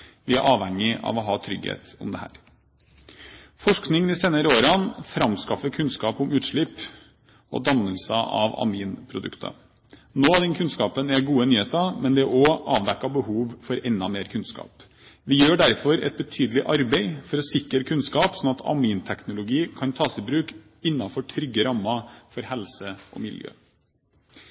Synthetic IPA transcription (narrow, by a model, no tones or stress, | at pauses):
ʋɪæʔɑːʋhɛŋːɪʔɑ̰ʋɔɦɑːt̪ʰɾʏɡhḛːt̪ɔ̰md̪ɛhæ̰ːɾ | fɔʂknɪŋd̪ɪseːnəɾəoːɾɑnfɾɑmskɑfəkʰʉnskɑːpʊmʉːt̪ʂɭɪp | ɔ̰d̪ɑməlsəʔɑ̰ʋɑ̰miːnpʰɾʊd̪ʉ̰kt̪ʰə̰ | noːɑd̪ɛnkʰʉnskɑːpənæɡuːənyːheːt̪ɑmɛnd̪ɛʔɔʔɑːʋd̪ɛkːɑbəhuːʋfɔɾɛnːɑmeːɾkʰʉnskɑ̰ːp | ʋɪjøːɖæɾfɔɾɛ̰t̪̚bət̪ʰyːd̪əlɪʔɑɾbeɪfɔɾɔsɪkːəɾkʰʉnskɑːpsɔnɑt̪ʰɑ̰miːnt̪ʰɛknʊlʊɡiːkʰɑnt̪ʰɑːsɪbɾʉːk | ɪnːɑfɔʈʰɾʏɡːəɾɑmːɑfɔɾhɛlsəɔ̰mɪ̰ljø̰ː